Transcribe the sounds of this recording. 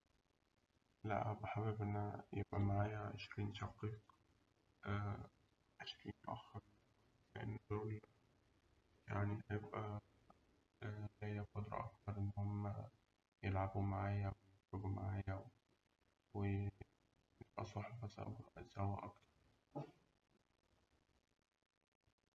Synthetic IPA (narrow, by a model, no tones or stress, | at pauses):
læ̰ʔhæbeħabebʔenːæjebʔæ̰maʕaːjæʕḛʃɾiːnʃɑqiːq | ʔæː | ʔæʃkmet̪ʔæ̰xːɑɾˤ | leʔḛnːd̪oːl | jaʕnihæjebʔæ | læjːækɑt̪ɾˤɑ̰ʔɑk̚t̪ɑɾˤʔenːhomːæ | jelʕabumaʕaːjæwejet̪ɾobuma̰ʕaːjæw | we | jeb̥ʔæ̰sˤɑħfæsˤæ̰weʔæ̰zæwːæ̰ʔɑ̰kt̪ɑ̥ɾˤ